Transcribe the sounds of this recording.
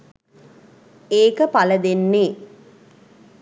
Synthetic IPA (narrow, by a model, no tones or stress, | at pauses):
eːkəpaləd̪enːe